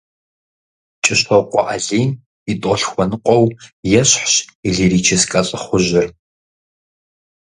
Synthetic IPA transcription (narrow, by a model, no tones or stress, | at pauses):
t͡ʃʼɪɕɔqʷɔʔɐɮiːm | itʼɔɬxʷɔnɨqʷʼɔwjɛɕħɕiɮiɾiːt͡ʃʰɪskʼɐɕʼɪχʷʊʑɪr